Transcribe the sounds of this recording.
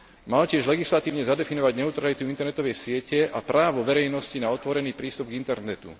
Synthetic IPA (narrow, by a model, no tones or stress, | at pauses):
malcɪɛʒlɛɡislat̪iːʊɲɛzad̪ɛfinɔʋaɟɲɛut̪ɾalit̪uint̪ɛɾnɛt̪ɔʋɛjsɪɛcɛʔapɾʔaːʋɔʋɛɾɛjnɔscinaɔt̪ʋɔɾɛniːpɾiːst̪ub̚ɡint̪ɛɾnɛt̪ṵ